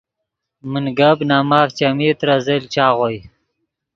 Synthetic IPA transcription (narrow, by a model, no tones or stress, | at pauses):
mənɡabnaːmaːft͡ʃamit̪ɾazelt͡ʃaːʁoj